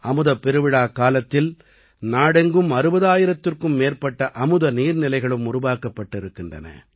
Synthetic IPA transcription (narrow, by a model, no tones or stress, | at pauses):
ɐmɯðɐpːɛɾɯʋɪɽaːkaːlɐt̪ːɪl | naːɽɐŋɡɯmɐɾɯbɐðaːjɪɾɐt̪ːɪrkɯmːeːrpɐʈːɐʔɐmɯðɐniːɾnɪlɐɪɣɐɭɯmʊrʊʋaːkɐpːɐʈːɪɾɯkːɪndrɐ̰nɐ̰